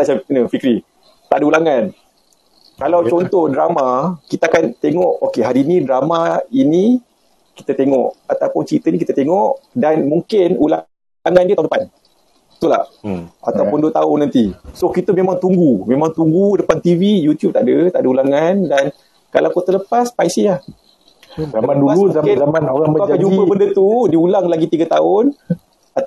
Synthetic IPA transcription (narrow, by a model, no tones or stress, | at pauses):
t̪at͡ʃanəfikɾi | t̪a̰ʔdəulaŋan | kalawt͡ʃɔnt̪ɔhdɾamakit̪aakant̪eŋɔʔokeɦaɾiːnĩdɾamaini | ki̥t̪ət̪eŋɔ̰ʔat̪awpʊnt͡ʃəɾit̪ənikit̪ət̪eŋɔʔdanmuŋkɪnula | ŋãndiət̪auŋndəpan | t̪ula̰hat̪awpʊnduət̪aʊnːãnt̪isokit̪əmẽmãŋt̪uŋɡumẽmãŋt̪uŋɡudəpant̪ivijut̪jub̚t̪aʔdət̪aʔdəulaŋandan | kalawkot̪ələpaspaisila | zamandualuakamanoaəkaad͡ʒumpəbəndət̪udiulaŋlaɡit̪iɡət̪aʊn | at̪